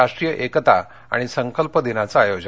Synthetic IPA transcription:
aʂʈɾijəʔekt̪a | a̰ɽ̃isəŋkəlpəd̪inat͡saːjod͡ʑ

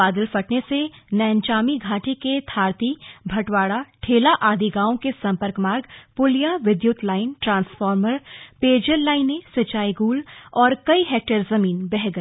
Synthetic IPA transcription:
aːd̪əlfɐʈnesenɛːnt͡ʃaːmiɡʱaːʈʰiket̪ʰaːɾt̪ibʱɐʈwaːɽaʈʰeːlaʔaːd̪ʱiɡãːõkesɐ̃mpəɾkmaːɾɡpʊljaʋɪd̪jʊt̪laːɪnʈɾãːnsfɔːɾməɾpeːd͡ʒəɾlaːɪnesɐt͡ʃaːiɡuːlɔːɾkɐiɦeːk̚ʈəɾzɐmiːnbɛɦɡə

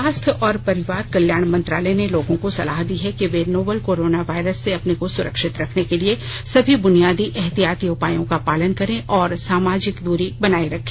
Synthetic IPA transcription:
aːst̪ʰɔːɾpɐɾɪʋaːɾkɐljaːɽ̃mɐ̃nt̪ɾaːlɛneloːɡõkosɐlaːɦd̪iɦɛkeʋeːnoːbəlkoːɾoːnaʋaːɪɾəsːeɐpnekosʊɾə̰kʃɪt̪ɾɐkʰnekelie | sɐbʱibʊnijaːd̪iʔɛɦt̪ijaːt̪iʊpaːjõkapaːlənkɐɾẽʔɔːɾsaːmaːd͡ʒɪkd̪uːɾibɐnaːiɾɐkʰːẽ̥ː

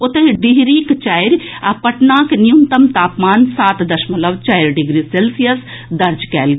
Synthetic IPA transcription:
ʊt̪eɖiɦɾiːkt͡ʃaːɪɾ | pəʈnãːknɪjunt̪əmt̪aːpmaːnsaːt̪d̪ɐʃmələbt͡ʃaːɪɾɖɪɡɾiːseːlsijəs | d̪əɾd͡ʒkɛ̰ːlɡ

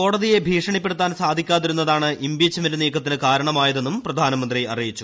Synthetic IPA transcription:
ko̞ːɽɐðije̞bʱiːʂɐɳipːeɽut̪ːaːnsaːd̪ʱikʲːaːðiɾunːɐðaːɳɨʔimbit͡ɕːɐminɾɐniːkːɐt̪ːinɨkaːɾɐɳɐmaːjɐðe̞nːumprɐd̪ʱaːnɐmɐnd̪riɐ̰rijit͡ɕːu

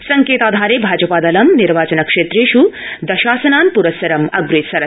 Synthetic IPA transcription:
sɐŋkeːt̪aːd̪ʱaːɾeːbʱaːd͡ʒɐpaːd̪ɐlɐmniɾʋaːt͡ʃɐnɐkʂeːt̪ɾeːʃud̪ɐʃaːsɐnaːnpuɾɐsɐɾɐmɐɡɾeːt̪sɐɾɐ

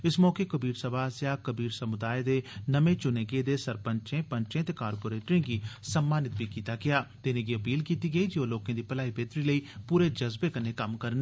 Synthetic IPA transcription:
ɪsmɔːkekɐbʱiːɾsɐbʱaːsjaːkɐbiːɾsɐmʊd̪aːed̪enɐmẽt͡ʃʊnẽɡed̪esɐɾpə̃nt͡ʃẽpɐ̃ɲt͡ʃẽt̪ekaːɾpoːɾeːʈɾẽkisɐmːaːnɪt̪̚bʱikiːt̪aɡɐjaːt̪ɪnẽɡiɐpiːlkiːt̪iɡəid͡ʒioːloːkẽd̪ipɐlaːibʱeːt̪ɾilɐipuːɾed͡ʒɐzbekɐnekɐmkɐɾne

